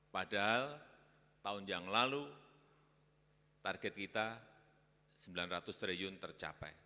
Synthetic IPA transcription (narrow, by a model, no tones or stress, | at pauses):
padaɦal | t̪aʊnjaŋlalu | t̪arɡɛt̪̚kit̪a | səmbilanrat̪ʊst̪ɾejʊnt̪ərt͡ʃa̰pɛ̰j